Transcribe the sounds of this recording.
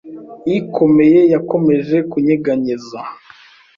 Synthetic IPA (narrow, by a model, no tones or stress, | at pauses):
ikʰo̞me̞je̞jako̞me̞ʒe̞kuɲiɡaɲiza